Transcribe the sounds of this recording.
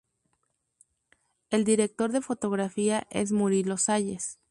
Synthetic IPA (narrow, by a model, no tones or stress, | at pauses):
e̞ld̪iɾe̞k̚t̪o̞ɾðe̞fo̞t̪o̞ɣɾafiaʔe̞̰zmuɾilo̞saʝe̞s